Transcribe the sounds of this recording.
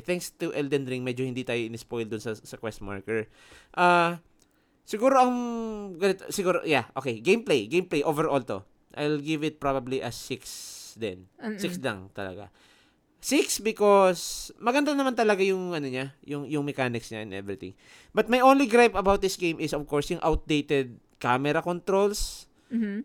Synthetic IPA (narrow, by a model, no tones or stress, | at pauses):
θɛŋkst̪ʊʔɛld̪ɛnd̪ɾiŋmɛd͡ʒohɪnd̪it̪aːjoʔɪnɪspojld̪ʊnsɐsɐkwɛst̪ma̰ɹkɛɹ | ʔa | sɪɡuːɾoʔɐŋɡɐnɪt̪sɪɡuːɾo̰ʔjaʔo̞ːkejɡejmplejɡejmplejʔovɛɹʔolt̪o | ʔa̰jlɡɪvɪt̪̚pɹabɐbliʔɐsːɪksd̪ɛ̰nsɪksla̰ŋt̪ɐ̰lɐ̰ɡa̰ | sɪksbɪkosmɐɡɐnd̪anɐmant̪ɐlɐɡajʊŋʔɐnoɲajʊŋjʊŋmɛkaːnɪksɲa̰ʔɛ̰nʔɛ̰vɹɪt̪ɪ̰̃ŋ | bɐt̪̚mɐjʔõnliɡɾajpɐbawt̪̚d̪ɪsɡejmʔɪsov̥koɹsjʊŋʔawt̪̚d̪ejt̪ɛd̪̚ | kamɛɾɐkont̪ɾols